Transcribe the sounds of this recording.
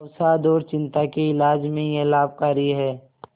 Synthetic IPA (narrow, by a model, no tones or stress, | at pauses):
sad̪oːɾt͡ʃɪ̃nt̪akeɪlaːd͡ʒmẽjelaːb̚kaːɾiɦɛː